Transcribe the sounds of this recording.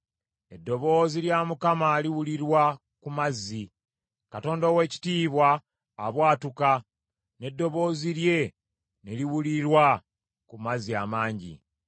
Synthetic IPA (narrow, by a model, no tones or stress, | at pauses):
e̞dːo̞βo̞ːziljamukamaliwuliɾwa | kumazːi | kato̞ːndowe̞ːci̥tiːβwaː | βwaːtuka | ne̞dːo̞βo̞ːziɾje̞ | neliwuliɾwa | kumaziamaːɲɟḭ